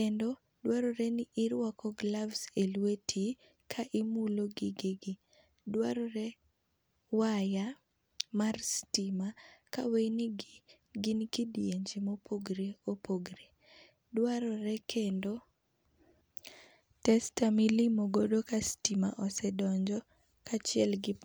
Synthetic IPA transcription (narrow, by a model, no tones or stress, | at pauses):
kendo | dwaɾɔɾɛnɪʔɪɾwakɔɡlavselwetʰi | kʰaʔɪmuloɡɪɡeɡɪ | dwaɾɔɾɛ | waja | marstimaka̰wejnɪɡ | ɡɪnkidjeɲd͡ʒimopʰoɡɾeopoɡɾe | dwaɾɔɾɛkʰendo | tɛstamilimoɡodokastima̰ʔɔsɛdɔɲd͡ʒɔ | kat͡ʃɪɛlɡɪp